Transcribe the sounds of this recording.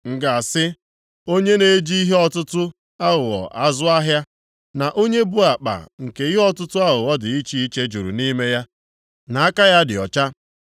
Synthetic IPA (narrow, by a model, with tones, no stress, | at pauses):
ŋ̩˨ɡa˨a˨sɪ˦ | o˦ɲe˦ne˨˦d͡ʒi˦i˦ɦe˦ɔ˦tʊ˦tʊ˦ | a˦ɣʊ˨ɣɔ̰˨ʔa˦zʊ˦a˦ɦja˦ | na˨ʔo˦ɲe˦bu˦a˨k͡pa̰˨ŋ̩˨ke˨i˦ɦe˦ɔ˦tʊ˦tʊ˦a˦ɦʊ˨ɣɔ˦dɪ˨i˦t͡ʃi˦i˦t͡ʃe˦d͡ʒu˨ɾṵ˨ni˦me˦ja˦ | na˨a˦ka˦ja˦dɪ˨ɔ̰˨t͡ʃa˦